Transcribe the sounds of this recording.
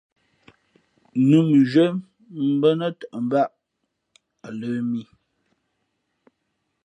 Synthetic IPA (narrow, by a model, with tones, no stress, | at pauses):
nu˨m˨ʒə˦m | m̩˦bə˦nə˦tə˨ʔə˨m̩˦ba˦ʔ | a˨lə˨˦mi˦